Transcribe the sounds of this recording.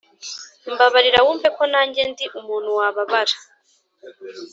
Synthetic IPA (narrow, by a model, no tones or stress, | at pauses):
mbaβaɾiɾawuːmve̞konaːɲɟe̞ndiʔumuːn̤huwaːβaβaɾḁ